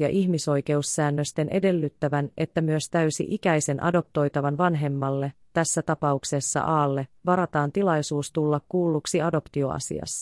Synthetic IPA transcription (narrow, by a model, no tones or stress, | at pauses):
ɑ̰ʔiçmiso̞jke̞usːæːnːøst̪e̞nʔe̞de̞lːyt̪ːæʋænʔe̞t̪ːæmyøst̪æysḭʔikæjse̞nʔɑ̰do̞p̚t̪o̞jt̪ɑʋɑnʋɑnɦe̞mːɑlːe̞t̪æsːæt̪ɑpɑukse̞sːɑ̰ʔɑːlːe̞ʋɑɾɑt̪ɑːnt̪ilɑjsuːst̪ulːɑkkuːlːuksiɑdo̞pt̪io̞ɑ̰sḭɑ̰s